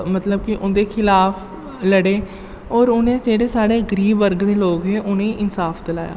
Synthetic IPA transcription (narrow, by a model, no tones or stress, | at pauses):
mət̪ləb̚kiʔʊnd̪eːkʰɪlaːpʰ | ləɽeː | ɔːɾʊnẽːd͡ʒeːɽeːsaːɽeːɡəɾiːbːəɾɡd̪eːloːɡɦeːʔʊnẽːʔɪnsaːpʰd̪əlaːja̰ː